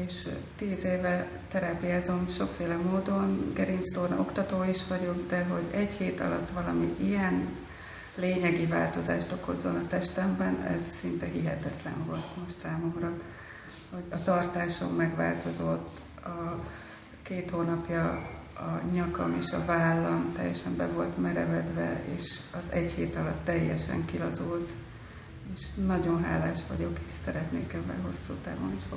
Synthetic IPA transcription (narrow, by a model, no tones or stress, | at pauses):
eːʃt̪iːzeːvɛ | t̪ɛɾaːpijaːzo̞mʃo̞kfeːlɛmoːd̪o̞nɡɛɾinst̪oːrn̰o̞kt̪ɒt̪oːiʃʋɒɟo̞ɡd̪ɛɦo̞ɟɛɟheːt̪ɒ̰lɒ̰t̪ːʋɒlɒmiʔijɛn | leːɲɛɡiva̰ːlt̪o̞za̰ːʃt̪o̞ko̞zo̞nɒt̪ɛʃt̪ɛmbɛnɛ̰zsint̪ɛhiɦɛt̪ɛt̪lɛ̰ɱvo̞̰lt̪mo̞ʃt̪saːmo̞mrɒ | ho̞ɟɒt̪ɒrt̪aːʃo̞mmɛɡʋa̰ːlt̪o̞zo̞t̪ː | ɒ | keːt̪hoːnɒpjɒ | ɒɲɒkɒmeːʃɒvaːlːɒmt̪ɛ̰jːɛʃɛmbɛvo̞lt̪mɛɾɛvɛd̪vɛ̰eːʃɒzɛɟheːt̪ɒlɒt̪ːɛjːɛʃɛ̰ŋkilɒzult̪ | eːʃnɒɟo̞nɦa̰ːlaːʃʋɒɟo̞keːʃsɛɾɛt̪nḛːkɛvːɛ̰lɦo̞sːuːt̪aːvo̰niʃo